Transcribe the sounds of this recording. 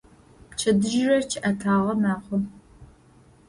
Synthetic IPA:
pt͡ʃʰɐdɨʒɪrɐt͡ʃʰɪʔɐtʰaːʁɐmaːχʷɔ

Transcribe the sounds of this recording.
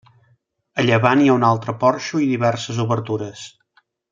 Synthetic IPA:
əʎəβaniaunalˠt̪ɾəpɔɾʃuiðiβɛrsəzuβəɾt̪uɾəs

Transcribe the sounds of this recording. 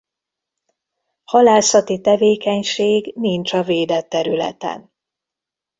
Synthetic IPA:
hɒlaːsɒt̪it̪ɛveːkɛɲʃeːɡnint͡ʃɒveːd̪ɛt̪ːɛɾylɛ̰t̪ɛ̰n

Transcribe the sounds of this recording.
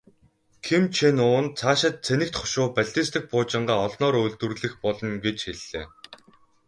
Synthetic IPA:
kʰimt͡ɕʰenʊːnt͡sʰaːʃɪ̆t̪̚t͡sʰenɘ̆k̚t̪χɔ̥ʃʊːpæɮʲt̪iːst̪ɘ̆x̚pʊːt͡ɕɪ̆ɴɢaːɔɮnɔːɾɵɮt̪wɘ̆rɮɘ̆xpɔɮɞ̆nɡet͡ɕxeɮːḛː

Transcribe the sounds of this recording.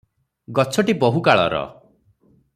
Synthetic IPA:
ɡɔt͡ʃʰɔʈibɔɦukaɭɔ̰ɾɔ̰

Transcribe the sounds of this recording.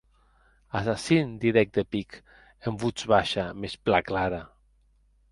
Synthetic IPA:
asasind̪iɾɛk̚d̪epik | embut͡ʃβaʃamesplaklaɾa

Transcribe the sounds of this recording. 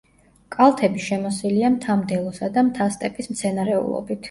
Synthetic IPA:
kʼalˠt̪ʰɛbiʃɛmɔsiliamt̪ʰamd̪ɛlˠɔsad̪amt̪ʰast̪ʼɛpʼismt̪sʰɛnaɾɛṵlˠɔ̰bit̪ʰ

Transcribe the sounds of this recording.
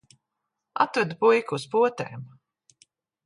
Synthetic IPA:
a̰t̪væd̪upujkuːspuɔt̪eːm

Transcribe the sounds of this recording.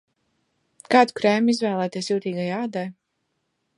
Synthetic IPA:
kɑːd̪ukɾɛmizvæːlˠæːt̪iɛs̬juːt̪iːɡajaːd̪aj

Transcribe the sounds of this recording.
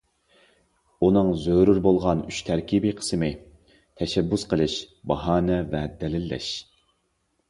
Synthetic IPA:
unɨŋzøɾuɾbolˠʁɑnyt͡ʃt̪ʰæɾkʲibiqʰə̥sɨmɪ | t̪ʰɛʃɛbːusqʰəlˠɨʃbɑɦɑːnɛvɛd̪ɛlɪlːɛ̰ʃ

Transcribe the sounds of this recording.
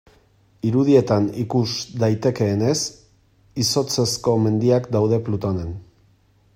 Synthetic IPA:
iɾuðie̞t̪anikuzd̪ajt̪e̞ke̞ːne̞s | iso̞t͡se̞sko̞me̞nd̪iakd̪awð̞e̞plut̪o̞ne̞n

